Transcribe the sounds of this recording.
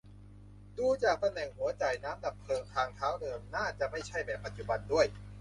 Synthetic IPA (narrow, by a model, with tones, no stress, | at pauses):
duː˧t͡ɕaː˨˩k̚t̪a˧mnɛː˨˩ŋhu˩˦ɐt͡ɕa˨˩jnaː˦˥mda˨˩p̚ʰːɤː˧ŋt̪ʰaː˧ŋt̪ʰaː˦˥wdɤː˧mnaː˥˩t͡ɕa˨˩ma˥˩jt͡ɕʰa˥˩jbɛː˨˩pːa˨˧t̪̚t͡ɕu˨˧˩ba˧ndu˥˩əj